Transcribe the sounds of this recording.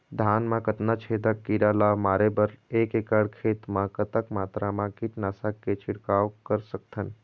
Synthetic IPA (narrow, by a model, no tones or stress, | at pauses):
d̪ʱaːnmãkət̪nat͡ʃʰed̪əkːiɾalamaːɾebəɾeːkekəɽkʰeːt̪mãkət̪əkmaːt̪ɾamãkiʈnaːsakːet͡ʃʰiɽkaːwkəɾsək̚t̪ʰən